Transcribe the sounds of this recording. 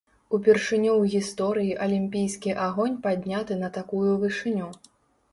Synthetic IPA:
upʲɛrʂɨnʲuwɣʲist̪ɔɾɨjiʔɐlʲimʲpʲijskʲiʔaɣɔnʲpad̪ʲnʲat̪ɨnɐt̪akujuvɨʂɨnʲu

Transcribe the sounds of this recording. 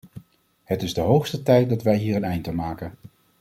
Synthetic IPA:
ɦətɪzdəɦowχstətɛjt̚dɑtʋɛjɦiːrənɛjntənmaːkən

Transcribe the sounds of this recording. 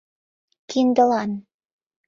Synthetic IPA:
kind̪ɤ̆lˠɑn

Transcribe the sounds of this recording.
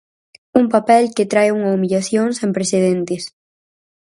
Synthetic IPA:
umpapɛlket̪ɾajuŋɐumiʎaθjoŋsẽmpɾeseðent̪ɪs

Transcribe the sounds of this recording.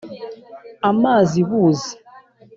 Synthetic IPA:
amaziβuzi

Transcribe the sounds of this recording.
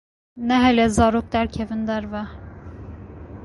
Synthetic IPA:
nɛɦɛlɛzɑɾok̚d̪æɾkʲʰɛvind̪æɾvɛ

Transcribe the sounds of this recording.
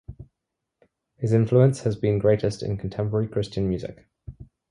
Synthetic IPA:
hɪzɪ̃ɱfluə̃nshəzbĩnɡɹeɪtʰɪstɪ̰̃nkʰə̃ntʰɛ̃mpəɹəɹikʰɹ̥ɪst͡ʃə̃nmjʉːzɪ̰k

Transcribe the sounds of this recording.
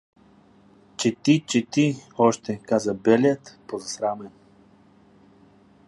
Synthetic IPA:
t͡ʃɛt̪it͡ʃɛt̪iɔʃt̪ɛkazɐbɛljat̪pozɐsɾamɛn

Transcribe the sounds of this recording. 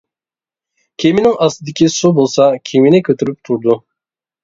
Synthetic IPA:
kʲʰeminiŋɑsɯd̪ikʲʰisobolˠsɑkʲʰeminɛkʲʰøt̪ʰyɾyp̚t̪ʰuɾd̪u

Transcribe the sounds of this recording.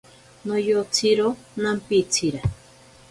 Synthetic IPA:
nojot͡sʰiɾo | nampit͡sʰiɾa

